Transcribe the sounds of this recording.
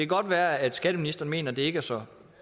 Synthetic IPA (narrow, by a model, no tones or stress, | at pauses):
ekʰæɡ̥ɒ̽d̥ʋæːɐæd̥sɡ̥æd̥əminisd̥ɐːn̩me̝̰ːnɐd̥e̝e̝ɡ̥æɐsɒ